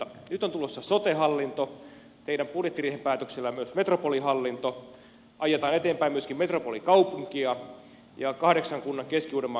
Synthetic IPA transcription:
nyt̪ont̪ulosːɑsot̪eɦɑlːint̪o | t̪eiɾæmpurjet̪ːiriːhempæːt̪økselːæjɑmyøsmet̪ropoliɦɑlːint̪o | ʔɑjet̪ɑːnet̪eːmpæimyøskimmet̪ropolikɑupuŋkiɑ | jɑkɑhɾeksɑŋkunːɑŋkeskiuːɾemːɑ

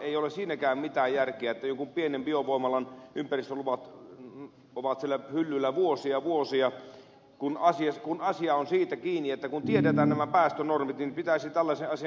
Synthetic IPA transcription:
eiolessiːnækæːmmit̪æːjjærkeæet̪ːæjoŋkumpienembioʋʋoˑimɑlɑnʔympærist̪øluʋɑt̪ | oʋɑt̪sielːæhylːylːæʋuosiɑʋuosiɑ | kunɑsiɑkunɑsiɑonsiːt̪ækiːnːiet̪ːækunt̪iedet̪æːnnæmæpæːst̪ønormit̪nipit̪æisit̪ælːæseʔɑsiɑ

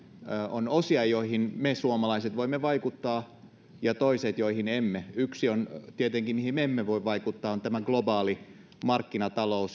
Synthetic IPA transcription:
onosiɑjoihinmesuomɑlɑiset̪ʋoimːeʋɑikut̪ːɑː | jɑt̪oiset̪joihinemːeyksiont̪iet̪eŋkimihimeemːeʋoiʋʋɑikut̪ːɑːont̪æmæɡ̥lobɑːli | mɑrkːinɑt̪ɑlous

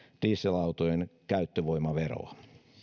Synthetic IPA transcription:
t̪iːsːilɑwt̪ojenkæyt̪ːøʋoimɑʋeɾo̰ɑ

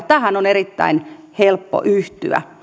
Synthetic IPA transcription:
t̪æhænonerit̪ːæ̰in | helpːo̰ʔyht̪y̰æ̰

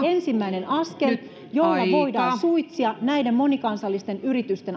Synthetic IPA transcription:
ensimːæine̞nʔɑske̞l | jolːɑʋoidɑːsuit̪siɑnæidemːo̞nikɑnsɑlːist̪e̞nyrit̪yst̪e̞n

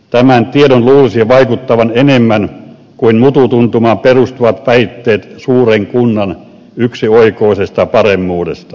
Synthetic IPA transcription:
t̪æmænt̪ienonluːlisiʋɑikut̪ːɑʋɑnenemːæn | kuinmut̪ut̪unt̪umɑːmperust̪uʋɑt̪ʋæit̪ːeːt̪suːreŋkunːɑn | yksioikoˑisest̪ɑpɑremːuːdḛst̪ɑ̥

